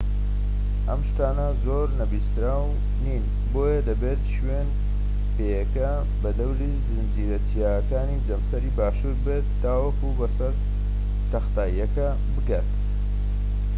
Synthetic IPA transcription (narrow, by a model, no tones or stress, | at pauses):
ʔɐmʃt̪aːnɐzo̞ɾnɐbiːst̪ɾaːw | niːn | bo̞ːjɐd̪ɐbet̪ʃwen | peːjɐkɐ | bɐd̪ɐwlizɨnd͡ʒiːɾɐt͡ʃijaːɐkaːnid͡ʒɐmsɐɾiːbaːʃuɾbet̪ːaːwɐkubɐsɐɾ | t̪ɐxt̪aːiːɐkɐ | bɨkaːt̪